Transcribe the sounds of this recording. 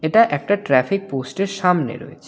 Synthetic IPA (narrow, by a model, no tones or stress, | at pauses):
eʈaʔɛk̚ʈaʈɾɛfik̚posʈeɾʃamnḛɾɔ̰ḛt͡ɕʰe